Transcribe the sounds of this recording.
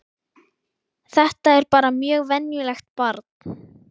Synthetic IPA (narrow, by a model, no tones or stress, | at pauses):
θɛht̪aɛɾpaːɾamjœːɣvɛnjʏlɛxt̪paɾt̪̚n